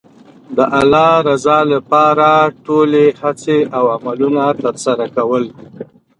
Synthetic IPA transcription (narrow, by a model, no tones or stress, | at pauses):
d̪əʔalɑɾazɑlapɑɾaʈolehat͡seawamalunat̪əɾsaɾakawəl